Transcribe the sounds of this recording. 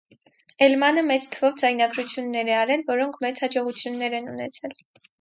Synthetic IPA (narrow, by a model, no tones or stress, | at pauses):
ɛlmɑnəmɛt͡st̪ʰəvɔvd͡zɑjnɑɡɾut͡sʰjunːɛɾɛɑɾɛlvɔɾɔŋkʰmɛt͡shɑd͡ʒɔʁut͡sʰjunːɛɾɛnunɛt͡sʰɛl